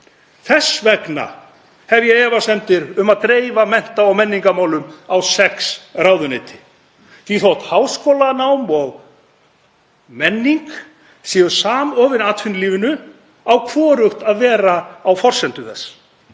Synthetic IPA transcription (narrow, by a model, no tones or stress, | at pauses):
θɛsvɛkna̰ | hɛvjɛɣɛːvasɛnt̪ɪɾʏmaðkɾeːjvamɛn̥t̪aawmɛnːiŋkamaːwlʏmawsɛksrawðʏnɪːt̪ʰɪ̥ | θiθɔht̪haːwskoːwlanawmɔɣ | mɛnːiŋk | siːʏ̥saːmɔːvɪnaːt̪fɪnliːvɪnʏ | awkʰvɔːɾʏxt̪aðvɛːɾaːwfɔr̥sɛnt̪ʏθɛsː